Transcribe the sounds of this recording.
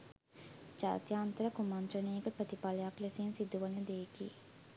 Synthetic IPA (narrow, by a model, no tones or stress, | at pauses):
d͡ʒa̰ːt̪jaːnt̪əɾəkumant̪ɾəneːɡəpɾət̪ipaləjakleseːnsid̪uʋənəd̪eːkḭː